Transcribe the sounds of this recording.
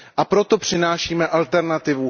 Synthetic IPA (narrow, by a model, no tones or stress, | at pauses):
ʔapɾo̞t̪o̞pr̝̥ɪnaːʃiːmɛʔalt̪ɛɾnat̪ɪvu